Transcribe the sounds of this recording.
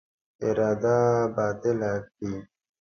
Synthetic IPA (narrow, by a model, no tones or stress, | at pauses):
ɪɾaːd̪abaːt̪elak̚bi